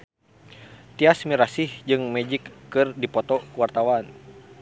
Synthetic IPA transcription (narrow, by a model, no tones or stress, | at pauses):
t̪iasmiɾasihd͡ʒɨŋmɛd͡ʒikːɨrdipɔt̪ɔwart̪awan